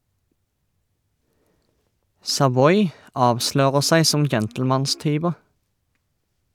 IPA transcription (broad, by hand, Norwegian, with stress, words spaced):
sɑˈʋɔʏ ˈɑːʋˌʃløːʁəʁ ˈsæɪ ˈsɔm ˈd͡ʒɛntl̩mɑnˌstyːʋəʁ